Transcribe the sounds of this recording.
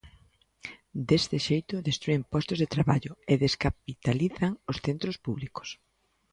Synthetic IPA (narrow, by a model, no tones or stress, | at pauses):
d̪est̪ɪʃejt̪ʊðest̪ɾuempɔst̪ʊzðet̪ɾaβaʎʊeðeskap̚it̪aliθaŋosθent̪ɾospuβliko̥s